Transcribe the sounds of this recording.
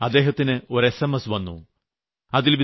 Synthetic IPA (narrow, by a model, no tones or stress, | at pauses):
ɐd̪ːeːɦɐt̪ːinɨo̞ɾesɐmɐsʋɐnːṵ | ɐðilʋi